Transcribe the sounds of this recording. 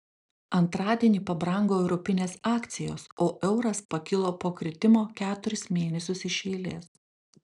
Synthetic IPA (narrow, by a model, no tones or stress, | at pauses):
ɐnt̪ɾɑːd̪ʲiɛnʲiːpɐbɾɐŋɡoːɛʊɾɔpʲɪnʲeːsɑːkt̪sʲɪjo̰ːsoːʔɛʊɾɐspɐkʲɪlˠoːpoːkɾʲɪt̪ʲɪmoːkʲæːt̪ʊɾʲɪsmʲeːnʲɛsʲʊsɪʃʲɛːlʲḛːs